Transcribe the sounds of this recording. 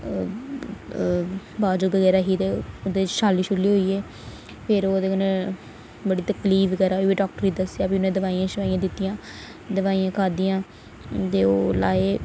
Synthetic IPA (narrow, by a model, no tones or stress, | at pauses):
baːd͡ʒəbəɣɛːɾaːɦiːt̪eːod̪eːt͡ʃʃaːliːʃʊlːiːɦoːiːɛː | pʰɪɾoːd̪eːkənẽ | bəɽiːt̪əkliːfkəɾaːʋiːɖaːk̚ʈəɾid̪əsːjaːpinːẽːd̪əʋaːiːãːʃəʋaːjãːd̪ɪt̪ːijãː | d̪əʋaːijãːkʰaːd̪ijãː | t̪eːoːla̰ːeː